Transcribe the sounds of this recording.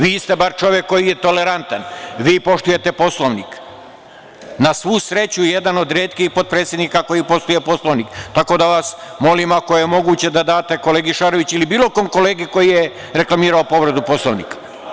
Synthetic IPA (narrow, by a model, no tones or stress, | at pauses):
ʋiːst̪e̞baɾt͡ʃo̞ʋjekːo̞jijet̪o̞le̞ɾant̪anʋiːpo̞ʃt̪uje̞t̪e̞po̞slˠoʋnik | nasʋusɾe̞t͡ɕujed̪ano̞d̪ɾeːt̪kixpo̞d̪̚pɾet̪sʲjed̪nikako̞jipo̞st̪uje̞po̞sloʋnikt̪ako̞d̪aʋasmo̞limako̞jejemo̞ɡuːt͡ɕe̞d̪ad̪aːt̪e̞ko̞le̞ːɡiʃaɾoʋit͡ɕilibiːlo̞ko̞mko̞le̞ːɡiko̞jije | ɾe̞klˠamiːɾaopo̞ʋɾed̪upo̞sloʋnḭːk